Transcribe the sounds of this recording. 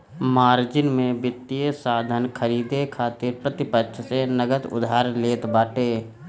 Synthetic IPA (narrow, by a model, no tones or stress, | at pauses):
maːɾd͡ʒɪnmẽbɪt̪ːijesaːd̪ʱənkʰəɾiːd̪ekʰaːt̪ɪɾpɾət̪ɪpətːʃʰsenəɡət̪ʊ̰d̪ʱaːɾleːt̪baːʈeː